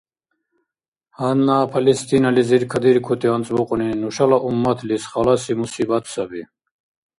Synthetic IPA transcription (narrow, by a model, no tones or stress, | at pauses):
hɐnːaːpʰɐlist̪inɐliziɾkʰɐd̪iɾkʰut̪iant͡sbuquninuɕɐlaʔumːɐt̪ʰlisχɐlasimusibɐt̪ʰsɐbi